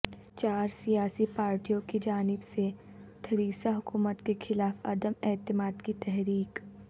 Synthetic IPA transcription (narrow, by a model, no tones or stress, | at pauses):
t͡ʃaːɾsijaːsipaːɾʈijõkid͡ʒaːnɪbset̪ʰɐɾiːsaɦʊkuːmət̪kexʰɪlaːfɐ̰d̪əmɛːt̪ɪmaːd̪kit̪ɛɦɾiːk